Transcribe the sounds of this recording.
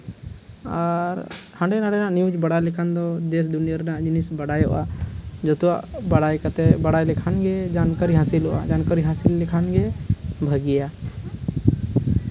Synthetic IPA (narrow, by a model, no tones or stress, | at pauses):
aɾhãɳɖɛnaɽɛnaʔniud͡ʒbəɽajlikʰand̪ɔd̪es̬d̪unijəɾnaʔd͡ʒinisbəɽajɔ̰ʔa̰d͡ʒɔt̪ua̰ʔbəɽajkət̪ɛbəɽajlikʰanɡed͡ʒankaɾiɦãsilɔʔa̰d͡ʒankaɾiɦãsilːikʰanɡebʱəɡija